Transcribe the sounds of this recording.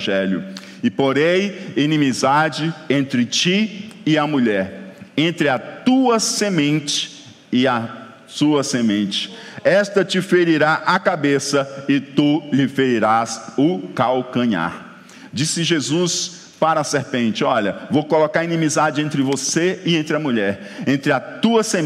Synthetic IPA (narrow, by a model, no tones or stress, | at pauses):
ʒɛlʊ̰ | ɪpoɾẽj̃inĩmizad͡ʒɪẽnt̪ɾɪt͡ʃiɪɐmuʎɛɾẽnt̪ɾɪɐt̪uɐsemẽnt͡ʃɪ̥ | ɪɐ | suɐsemẽnt͡ʃɪ̥ɛst̪ɐt͡ʃɪfeɾiɾaʔakabesɐɪt̪ulɪfeɾiɾasʊkawkɐ̃ɲa̰ɾ | d͡ʒisɪʒezus | paɾɐːseɾpẽnt͡ʃɪɔʎɐvowkolokaɾinĩmizad͡ʒɪẽnt̪ɾɪvoseɪẽnt̪ɾɪɐmuʎɛɾ | ẽnt̪ɾɪɐt̪uɐse